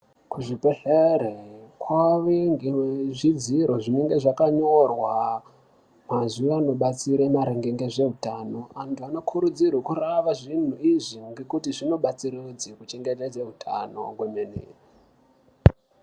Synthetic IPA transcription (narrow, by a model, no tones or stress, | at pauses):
kuʐipeɬeɾekwaʋeŋɡeweʐid͡ziɾo̞ʐine̞ŋɡe̞ʐakaɲo̞rwa | mazuʋano̞ɓat͡siɾemaɾeŋɡeŋɡe̞ʐe̞ɦutaːno̞antuano̞kʰuɾud͡zirwekuraʋaʐin̤uiʐiŋɡekutiʐino̞ɓat͡siɾed͡zikut͡ʃe̞ŋɡe̞ted͡zeɦutʰa̰no̞̰ɡwemenḛː